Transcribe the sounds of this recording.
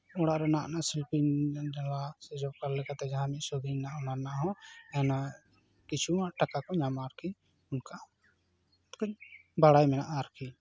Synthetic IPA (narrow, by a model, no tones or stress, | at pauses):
ɔɽaʔɾɛnaʔnaʔsɛlpindalasɛd͡ʒɔb̚kaɾlɛkat̪ɛd͡ʒaɦãmiʔsɔɡiɲnaʔɔnanaʔɦɔ̃ɛna | kit͡ʃʰumaʔʈakakɔɲamaɾkʰi | ʊnka | t̪kɔɲbaɽajmɛnaʔaɾkʰi